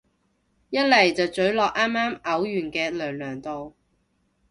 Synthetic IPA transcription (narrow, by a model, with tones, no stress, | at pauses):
jɐ˥t̚lɐ˨˩jt͡sɐ˨wt͡sɵ˨˥ɥlɔː˨k̚ʔaː˥maː˥mʔɐ˨˥wjyː˨˩nkɛː˧lœː˨˩ŋlœː˨˩ŋt̪o˨w